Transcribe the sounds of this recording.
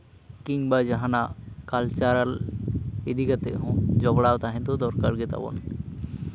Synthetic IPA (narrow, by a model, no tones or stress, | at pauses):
kiŋbad͡ʒaɦanakalt͡ʃaɾal | ed̪ikat̪eɦɔ̃d͡ʒɔɡɽawt̪aɦɛ̃nt̪od̪ɔɾkaɾɡɛt̪a̰bɔ̰n